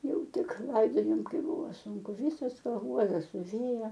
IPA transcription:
ˈjɛʊ ˈtʲɪk ˈlˠɐɪdoːjoːm ˈkɐɪp ˈbʊʋoː ˈsuːŋkʊ ˈʋʲiːsoːs pɐˈɡuɔdɐs sʊˈʋʲeːjɛ

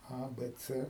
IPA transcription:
ˈɐ ˈbɘ ˈt͡sɘ

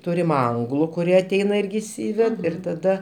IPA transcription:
ˈtuːrʲɪm ˈɐŋɡlˠʊ kʊˈrʲiɛ ɐˈtʲɛɪnɐ ˈɪrʲɡʲɪ ɪʃʲˈsʲiːʋʲɛt ɪr tɐˈdɐ

